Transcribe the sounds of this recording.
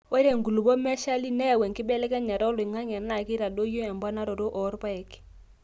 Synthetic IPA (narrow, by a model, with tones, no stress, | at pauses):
wo˦ɾe˨ŋɡu˨lu˨bo˦mɛ˦ʃa˦li˦nɛ˦˨wɛ˨ŋkɪ˦bɛ˦lɛ˦kɛ˦ɲa˨ɾɔ˦lʊ˨i˨ŋa˦ŋɛ˨na˨ki˦ɾa˨do˦jo˦ɛ˨mba˦na˦ɾo˨ɾo˦ʔɔ˨˦ɾpa˦ɛ˨k